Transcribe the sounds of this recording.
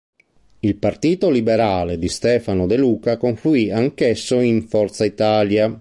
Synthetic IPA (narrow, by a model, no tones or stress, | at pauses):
ilpart̪iːt̪olibeɾaːled̪ist̪ɛːfanod̪eluːkakoɱfluiaŋkesːoiɱfɔrt̪sait̪aːlja